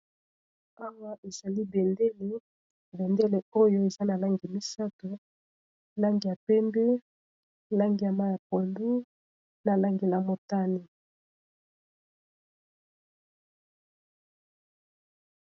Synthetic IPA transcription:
a˦wa˦ʔe˨z̥a˨li˦be˨nde˦le˦ | bɛ˨nde˦le˨o˦jo˦e˨za˦na˨la˦ŋɡi˨mi˦sa˦to˨ | la˦ŋɡi˨ja˨pɛ˦mbɛ˦ | la˦ŋɡi˨ja˨ma˦ja˨ko˨ndu˦ | na˨la˦ŋɡi˨na˨mo˨ta˦ni˦

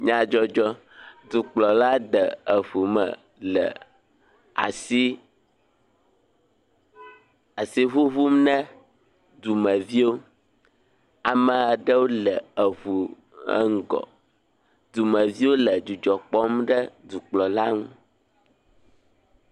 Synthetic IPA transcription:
ɲã˨d͡ʒɔ˦d͡ʒɔ˦ | d̪u˨k͡plɔ˨la˦d̪ə˨ə˨ɸu˨mə̰˨ | lə̰˨ | a̰˨si˦ | a˨si˦ɦu˦βu˦mnɛ̃˦ | d̪u˨mə˨vi˦wo˦ | a˨mə˨a˨ɖə˦wo˦lɛ˨ə˨βu˨ | ə̰˦ŋ̩˦ɡɔ̰˨ | d̪u˨mə˨vi˦wo˦lə˨d͡ʒu˨d͡ʒɔ˨k͡pɔ˦mɖə˦d̪u˨k͡plɔ˨la˦ŋũ˦

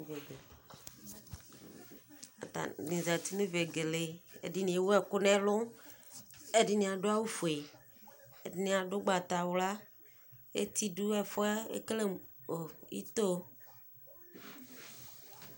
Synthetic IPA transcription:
ve˨ɡe˨ | a̰˨t̪a̰˨nĩ˨za˨t̪i˦nẽ˦ve˨ɡe˨le˨ḛ˨di˦nĩ˨e˦wo˦ɛ˦kʊ˦nɛ̃˦lʊ˦ | e˦di˦nĩ˨a˨ɖo˦a˦wu˦fu˨e˨ | e˨di˦nĩ˨a˨ɖʊ˦ɡ͡ba˨t̪a˨wʊ˦la˦ | ḛ˦t̪i˦ɖu˦ɛ˦fʊ˦ɛ˦ḛ˦kle˦mo˨ḭ˦t̪o˦

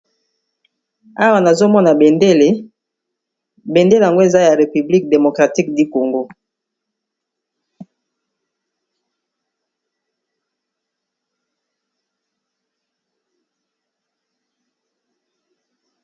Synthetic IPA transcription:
a˦wa˨na˨zo˦mɔ˦na˨be˨nde˦le˨ | be˨nde˦le˨a˨ŋɡo˦e˨za˦ja˨ʁe˨py˨bli˦k̚de˨mo˨kʁa˨ti˦k̚di˦ko˨ŋɡo˦

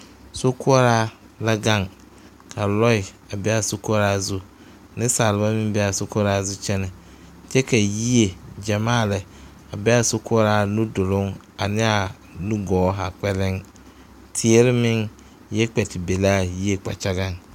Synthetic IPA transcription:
so˦kʰʊ˦a˦ɾa˦ | la˦ɡa˦˨ŋ | kʰa˨lɔ˦ɪ˨ | a˨bɛ˦a˨so˦kɔ˦ɾaː˦zʊ˦ | nɪ̃˦saː˨lɪ˨ba˦mɪ̃˦m˦bɛ˦a˨so˦kʊ˦a˦ɾaː˦zʊ˦t͡ʃɛ˦nɪ˨ | t͡ʃɛ˦ka˨ji˦e˨d͡ʒa˨maː˦˨lɛ˨ | a˨bɛ˦a˨so˦kʰʊ˦ɔ˦ɾa˦nũ˦dʊ˨lʊ˦ŋ | a˨nɪ˦a˨ | nũ˦ɡɔː˨˦ɦa˨k͡pɛ˦lɪ˦ŋ | tʰi˨e˦ɾɪ˦mɪ̃˦ŋ | jɛ˦k͡pɛ˨tɪ˨be˨laː˦˨ji˦e˦k͡pa̰˨t͡ʃa˦ɡa˦ŋ

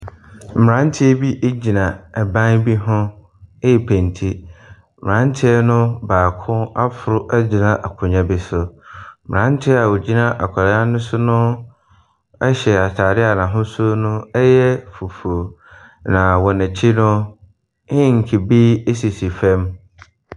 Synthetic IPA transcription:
m̩˨mɪ˨ɾã˦n̩˦tʰɪ˦ɛ˦bi˦ʔe˦d͡ʑi˨nã˨ɛ˨bã˦nbi˦ɦʊ̃˦˨ | pʰæ̃˨n˨tʰi˦m̩˨mɪ˨ɾã˦n˦tʰɪ˦ɛ˦nʊ̃˦baː˨kʰʊ̃˦a˦fʊ˨ɾʊ˦ʔæ˦d͡ʑi˨nã˦ʔa˨kʰʊ̃˨ɲã˨bɪ˦˨sʊ˨m̩˨ɾã˦n˦tʰɪ˦a˨wo˨d͡ʑi˦nã˦ʔa̰˨kʷʰa˨ɾa˨a˦nʊ̃˦sʊ˦nʊ̃˦ | ɛ˦ɕɛ˨a˨tʰaː˨ɾɪ˦a˨nã˨ɦʊ̃˦su˦o˦nʊ̃˦ɛ˦jɛ˦fu˨fu˨o˨ | nã˨wɔ˨nɪ̃˨t͡ɕʰɪ˦nʊ̃˦ | ɪ̃˦ŋ̩˨kʰɪ˨bi˦e˦si˨si˨fɛ̃˦m

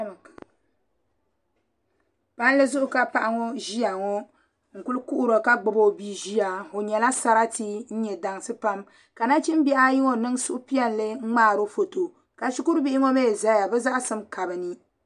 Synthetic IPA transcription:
pa˦n˦lɨ˦zʊ˦ʔʊ˦ka˨pa˨ʔa˦ŋo˦ʒi˦ja˨ŋɔ˦ | ŋ̩˨ku˦lku˦ʔu˦ɾo˨ka˦ɡ͡bo˨bo˦˨bi˦ʒi˦a˨o˨ɲɛ˨la˦sa˦ɾa˦ti˦n̩˦ɲɛ˨da˨ŋsɨ˦pa˦m | ka˨na˦t͡ʃi˦m˦biɛ˦a˦ji˦ŋo˨nɨ˦ŋ˦su˦ʔʊ˦pi˦a˦n˨lɨ˦ŋ̩˦ŋ͡maː˦˨ɾo˦fo˨to˨ | ka˨ʃu˦ku˦ɾbi˦ʔɪ˦ŋo˦me˦˨za˦ja˨bɛ˦za˦ʔsɨ˦mka˨bɨ˨nɨ˦

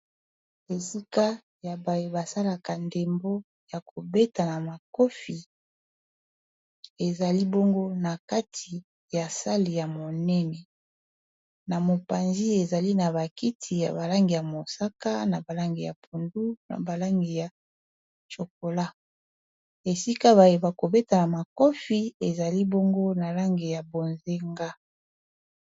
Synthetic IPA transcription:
e˨si˦ka˦ | ja˨ba˨je˨ba˨sa˦la˨ka˨nde˨mbo˦ | ja˨kʰo˨be˦ta˨na˨ma˨ko˦fi˨ | e˨za˨li˦bo˦ŋɡo˦na˨ka˦tʰi˨ | ja˨sa˦li˨ja˨mo˨nɛ˦nɛ˨ | na˨mo˨pa˨nzi˦e˨za˨li˦na˨ba˨ki˦tʰi˨ja̰˨ba˨la˦ŋɡi˨ja˨mo˨sa˦ka˦na˨ba˨la˦ŋɡi˨ja˨pʰu˨ndu˦na̰˨ba˨la˦ŋɡi˨ja˨ | t͡ʃo˨ko˨la˦ | e˨si˦ka˦βa˨je˨ba˨ko˨be˦ta˨na˨ma˨ko˦fi˦e˨za˨li˦bo˦ŋɡo˦na˨la˦ŋɡi˨ja˨bo˨nze˦ŋɡa˦

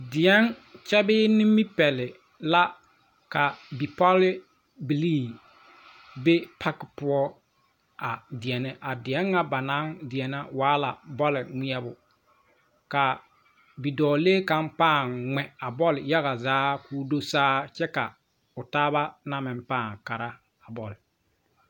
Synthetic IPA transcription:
dɪ˨ɛ˦nt͡ʃɛ˦bɪː˦ni˦mːi˦pɛ˨lɪ˨ | la˦ | ka˨bi˨pɔ˦lɪ˦ | bi˨liː˦˨ | be˦pʰa˦kɪ˨pʊ˦ɔ˦ | a˨dɪ˨ɛ˨nɛ˦ʔa˨dɪ˨ɛ˦ŋːa˦ba˨na˦ŋdɪ˨ɛ˨na˦waː˨˦la̰˨bɔ˦lɪ˨ŋi˦ɛ˦bʊ˨ | ka˨ | bi˨dɔː˨leː˦ka˦mpaː˦˨ŋŋɛ˨a˨bɔ˦lɪ˨ja˦ɣa˨zaː˨˦kʰuː˦do˦saː˦t͡ʃɛ˦ka˨ | ʊ˨taː˦βa˦na˦mɪ˨mpaː˦˨ŋka˨ɾa˦ | a˨bɔ˨lɪ˨

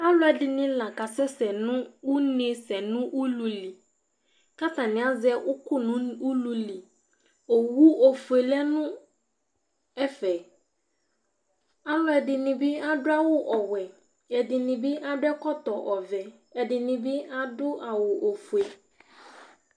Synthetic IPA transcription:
a˦lɔ˦ɛ˨dɪ˨nɪ̃˦la˨ka˨sɛ˦sɛ˨nʊ̃˦wʊ˦nɪ̃˨˦sɛ˨nʊ̃˦ʔu˦lu˨li˨ | ka˦tã˨nɪ̃˨˦a˦zɛ˦ʔʊ˦kʊ˦nʊ̃˦u˦lu˨li˨ | o˨wu˦o˨fu˨e˨lɛ˦nʊ̃˦ | ɛ˦fɛ˨ | a˦lɔ˦ɛ˨dɪ˨nɪ̃˨bi˦a˦dʊ˦a˦wʊ˦ʔɔ˨wɛ˨ | ɛ˨dɪ˨nɪ̃˨bi˦ʔa˦dʊ˦ɛ˦kɔ˦tɔ˨ʔɔ˨vɛ˨ | ɛ˨dɪ˨nɪ̃˨bi˦a˦dʊ˦ʔa˨wʊ˨ʔo˨fu˨e˨

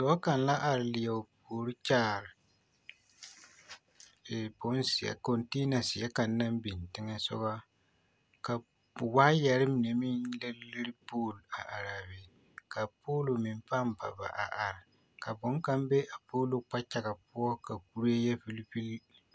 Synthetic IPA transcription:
sɔ˨˦ɔ˦ka˨n˦la˦ʔa˨ɾɪ˨lɪ˨jɛ˨poː˨ɾɨ˦t͡ʃaː˦˨ɾɪ˨ | ɛ˨bʊ˦n˦si˨jɛ̰˨ko˨nte˦na˨sɪ˨ɛ˦ka˨nː˦a˦mbi˨n˨tɪ˦ŋɛ˦sɔ̰˦ba˦ | ka˨ | waː˦jɛ˨ɾɪ˦mɪ˨nɛ˨mɪ˦nlɨ˦lɨ˦ɾpoː˦˨la˨ʔa˨ɾa˨bɪ˨ | ka˨poː˦lo˨mɪ˨m˦pa˦mba̰˨ba̰˨ʔa̰˨ʔa˨ɾɪ˨ | ka˨bʊ˨˦ŋ˦ka˦mbɛ˦ʔa˨poː˦lo˦k͡pa˦t͡ʃa˨ɣa˨pʊ˦ɔ˦ka˨ku˦ɾi˦ɛ˦jɛ˦fi˦li˦pi˦l

